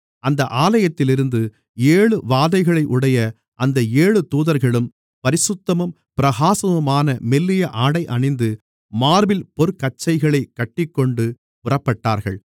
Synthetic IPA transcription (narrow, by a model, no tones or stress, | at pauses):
ʔɐnd̪ɐʔaːlɐjɐt̪ːɪlɪɾɯnd̪ɯ | eːɭɯʋaːðɐɪɣɐɭɐɪʔʊɽɐjɐ | ʔɐnd̪ɐeːɭɯt̪uːðɐɾɣɐɭɯm | pɐɾɪsʊt̪ːɐmɐm | pɪɾɐɣaːsɐʋɐmaːnɐmɛlːɪjɐʔaːɽɐɪʔɐnɪnd̪ɯ | maːɾʋɪlpɔɾkɐt͡ʃːɐɪɣɐɭɐɪkːɐʈːɪkːɔɳɖɯ | pʊrɐpːɐʈːaːɾɣɐ̰ɭ